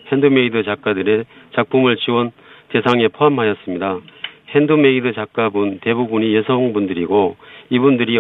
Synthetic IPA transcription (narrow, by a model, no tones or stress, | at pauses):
he̞ndɯme̞idɯt͡ɕak͈adɯɾe̞t͡ɕak̚p͈umɯɭt͡ɕiwʌn | te̞sʰaŋe̞pʰoɦamɦajʌs͈ɯmɲidahendɯme̞idɯt͡ɕak͈̚abunte̞bubuɲijesʰʌŋbundɯɾiɡoibundɯɾi